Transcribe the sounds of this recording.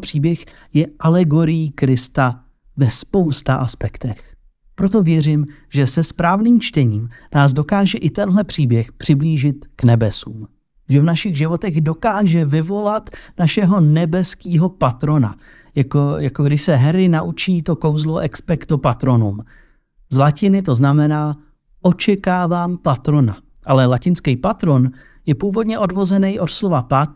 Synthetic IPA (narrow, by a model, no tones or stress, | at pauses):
pr̥iːbjɛx | jɛʔalɛɡo̞ɾɪjikɾɪst̪a | vɛspo̞wst̪aʔaspɛkt̪ɛx | pɾot̪̬o̞vjɛr̝ɪm | ʒɛsɛspɾaːvniːmt͡ʃt̪ɛɲiːmnaːsdo̞kaːʒɛʔɪt̪ɛnɦlɛpr̥iːbjɛxpr̝̥ɪbliːʒɪt̪knɛbɛsṵːm | ʒɛvnaʃɪɣʒɪvo̞t̪ɛɣdo̞kaːʒɛvɪvo̞lat̪naʃɛɦo̞nɛbɛskiːɦo̞pat̪ɾo̞na̰ | jakojakoɡdɪʃsɛɦɛɾɪnaʔut͡ʃiːt̪o̞ko̞wzloʔɛkspɛkt̪opat̪ɾo̞num | zlacɪnɪt̪̬o̞znamɛnaː | ʔot͡ʃɛkaːvaːmpat̪ɾo̞na | ʔalɛlacɪnskɛjpat̪ɾo̞n | jɛpuːvo̞dɲɛʔo̞dvo̞zɛnɛjʔo̞t̪slo̞vap̪at̪̚